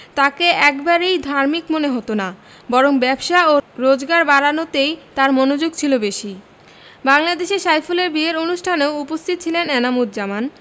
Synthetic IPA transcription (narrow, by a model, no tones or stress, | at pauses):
t̪akeɛkbaɾejd̪ʱaɾmikmoneɦot̪ona | bɔɾoŋbɛbʃaoɾod͡ʑɡaɾbaɾanot̪ejt̪aɾmonod͡ʑoɡ̚t͡ɕʰilobeʃi | baŋlad̪eʃeʃajfuleɾbieɾonuʃʈʰaneoupost̪ʰit̪ːt͡ɕʰilenenamud̪̚d͡ʑaman